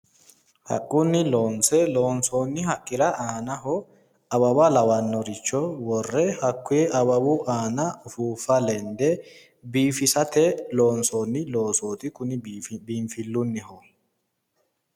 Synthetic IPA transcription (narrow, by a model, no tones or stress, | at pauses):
hɐ̰kʼːʊnːɪloːnsɛloːnsoːnːɪhɐkʼːɪɾɐʔaːnɐɦɔ | ɐbɐbɐlɐwɐnːɔɾɪt͡ʃːɔwɔrːɛhɐkːʊjɛʔɐbɐbʊʔaːnɐʊfuːfːɐlɛnd̪ɛ | biːfɪsɐt̪ɛloːnsoːnːɪloːsoːt̪ɪkʊnɪbiːmfɪlːʊnːɪhɔ